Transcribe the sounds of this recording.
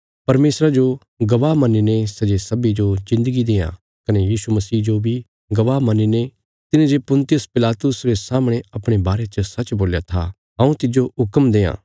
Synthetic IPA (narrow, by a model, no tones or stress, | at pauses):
pɐɾmeːsɾad͡ʒo | ɡɐʋaːɦmɐninesɐd͡ʒesɐbid͡ʒozɪ̃nd̪əɡid̪eːjã̰ | kɐnejiːsumɐsiːd͡ʒobʱi | ɡɐʋaːmɐnine | t̪ɪnẽd͡ʒepʊ̃nt̪ɪjʊspɪlaːt̪ʊsɾesaːmɽ̃eɐpɽ̃ebaːɾet͡ʃəsɐt͡ʃboːljat̪ʰa̰ | ɦɐ̃ũt̪ɪd͡ʒoɦʊkəmd̪eːã̰ː